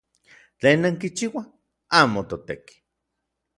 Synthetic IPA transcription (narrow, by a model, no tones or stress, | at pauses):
t͡ɬeːnːaŋkit͡ʃiwa | aːmot̪ot̪eki̥